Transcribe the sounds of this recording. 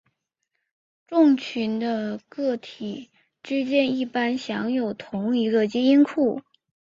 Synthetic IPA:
ʈ͡ʂʊ˥˩˧ŋt͡ɕʰy˧˥nd̪ə˧kɤ˥˩t̪ʰi˨˩ | ʈ͡ʂɻ̩˥t͡ɕjɛ˥˧ni˥˩pa˥nɕjɑ˧˥ŋjo˨˩ʊt̪ʰʊ˧˥ŋi˧˥ɡə˧t͡ɕi˥i˥nkʰu˥˩

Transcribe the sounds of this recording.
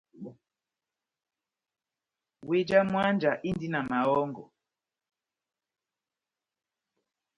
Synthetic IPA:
we˦d͡ʒa˦mwa˦nd͡ʒa˨ʔi˦ndi˦na˨ma˨ɔ˦ŋɡɔ̰˨

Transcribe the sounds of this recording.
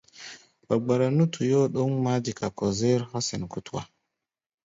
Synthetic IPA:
ba˨ɡ͡ba˨ɾa˨nu˦tʰu˨jo˦ɗo˦ŋma˦di˨ka˨ko˨ze˦ɾhɔ˦sɛ˨nku˦twa̰˨

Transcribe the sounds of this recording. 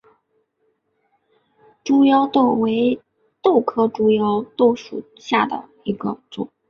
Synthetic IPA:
ʈ͡ʂu˥jɑ˥ʊt̪o˥˩we˧˥ɪ | t̪o˥˩ʊkʰɤ˥ʈ͡ʂu˥jɑ˥ʊt̪o˥˩ʊʂṵ˨˩ | ɕja˥˩d̪ə̰˩ | i˧˥ɡə˧t͡sʊ̰˨˩˦

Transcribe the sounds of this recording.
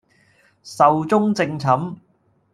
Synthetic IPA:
sɐ˨wt͡sʊ˥ŋt͡sɪ˧ŋt͡sʰɐ˨˥m

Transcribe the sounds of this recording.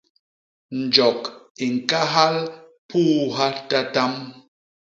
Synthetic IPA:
n̩˨d͡ʒɔ˨ki˨ŋ̩˨ka˦ɦa˦l | puː˦ɦa˦ta˦ta˦m

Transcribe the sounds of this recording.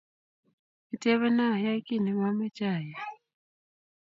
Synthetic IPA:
i˨te˦βɛ˦na˦˨ja˦ki˦˨ni˨ma˦me˦t͡ʃa˦˨ja˨

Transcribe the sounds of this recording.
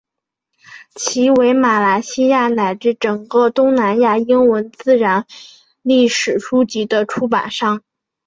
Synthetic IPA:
t͡ɕʰi˧˥we˧˥ɪma˨˩la˧˥ɪɕi˥ja˥˩na˨˩ɪʈ͡ʂɻ̩˥˩ʈ͡ʂɤ˨˩ŋkɤ˥˧t̪ʊ˥ŋna˧˥nja˥˩i˥ŋwə˧˥nt͡sɹ̩˥˩ɻa˧˥n | li˥˩ʂɻ̩˨˩ʂu˥t͡ɕi˧˥d̪ə˧ʈ͡ʂʰu˥pa̰˨˩nʂɑ˥˩ŋ

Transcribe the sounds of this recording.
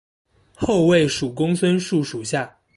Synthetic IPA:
xo˥˧ʊwe˥˩ɪʂu˨˩kʊ˥ŋswə˥nʂu˥˩ʂu˨˩ɕja˥˩

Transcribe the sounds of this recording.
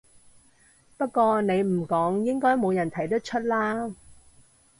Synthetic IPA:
pɐ˥t̚kɔː˧ne˨˧jmm̩˨˩kɔː˨˥ŋjɪ˥ŋkɔː˥jmo˨˧wjɐ˨˩nt̪ʰɐ˨˩jt̪ɐ˥t̚t͡ʃʰɵ˥t̚laː˥

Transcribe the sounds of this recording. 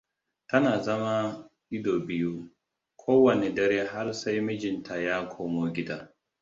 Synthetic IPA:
tɐ˦naː˨zɐ˦ma˦ | ʔɪ˦doː˨bɪ˦ju˦ | kʰoː˦wɐ˨ne˨dɐ˦ɾeː˦ɦa˦rsa˦jmɪ˦d͡ʒɪ˨ntʰa˨jaː˦kʰoː˦moː˦ɡʲɪ˦daː˦

